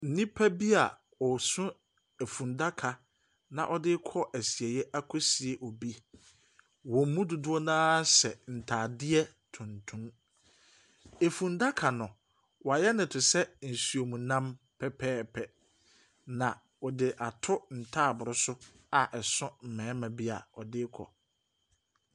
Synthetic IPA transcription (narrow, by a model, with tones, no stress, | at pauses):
n̩˦nĩ˦pʰa˦bi˦a˨ | ɔ˨sũ˦ | e˨fũ˨nda˦kʰa˨ | nã̰˨ʔɔ˦dɪ˦kʰɔ˦ʔæ˨si˨ɛ˨jɛ˦ʔa˦kʰɔ˦si˨e˨ʔɔ˨bi˦ | wɔ̃˨m̩˦mũ˦dʊ˨dʊ˦ɔ˦nãː˦sɛ˨n̩˨tʰaː˨dɪ˦ɛ˦ | tʰʊ̃˨ntʰũ˦m | e˨fũ˨nda˦kʰa˨nʊ̃˨ | wa˨jɛ˦nɪ̃˨tʰʊ˨sɛ˦n̩˨su˨o˨mũ˨nã˦m | pʰɛ˦pʰɛː˦pʰɛ˨ | nã˨ | ɔ˨dɪ˨ʔa˨tʰʊ˦n̩˨tʰaː˦˨bʊ˨ɾʊ˦sʊ˦ | a˨ʔɛ˨sʊ̃˦m̩˨mɛ̃ː˨˦mã˨bi˦a̰˨ɔ˨dɪ˦kʰɔ̰˨